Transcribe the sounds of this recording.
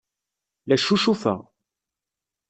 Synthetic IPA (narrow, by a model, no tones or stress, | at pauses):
læʃːuʃufæ̰